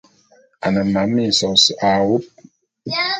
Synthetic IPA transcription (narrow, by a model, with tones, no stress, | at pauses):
a̰˨nə˨ma˨˦mi˦˨sɔ˨sa˨wu˦p̚